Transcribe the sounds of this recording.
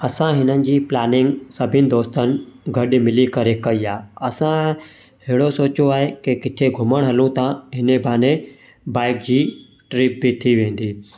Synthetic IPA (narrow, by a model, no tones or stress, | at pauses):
ɐsãɦɪnənɪ̆d͡ʑiːplaːnɪŋɡsɐbʱɪnɪ̆d̪oːst̪ən̆ɡʱɐɗmɪlikɐɾekɐiaːɐsã | ɦeɽosoːt͡ɕoaːɦekekɪt̪ʰeɡʱʊməɽ̃ɦɐlũt̪ãɦɪnebʱaːnẽ | baːɪk̚d͡ʑiː | ʈɾiːp̚bʱit̪ʰiʋẽːn̆d̪iː